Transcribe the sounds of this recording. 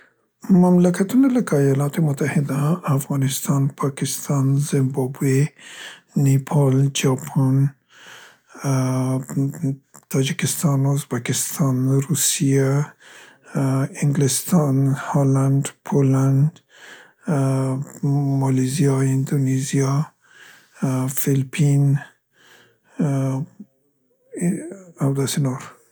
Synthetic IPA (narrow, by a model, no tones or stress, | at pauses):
mamlakat̪unalakaːjɑlɑt̪emʊt̪ahɪd̪aːfɣɑnɪst̪ɑnpʰɑkɪst̪ʰɑnzɪmbɑbwe | nepʰɑld͡ʒɑpʰɑn | t̪ʰɑd͡ʒɪkɪst̪ɑnʊzbakɪst̪ʰɑnɾusija | iŋɡlist̪ʰɑnhɔland̪pʰoland̪ | mɔlizijɔind̪onizijɔ | filpʰin | awd̪asinoɾ